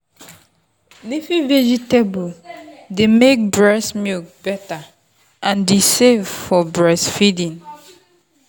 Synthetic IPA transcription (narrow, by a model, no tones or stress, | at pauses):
nefivɛd͡ʒitebodemek̚bɹɛsmik̚b̥ɛta | ʔãndesevfɔbɹɛsfidĩn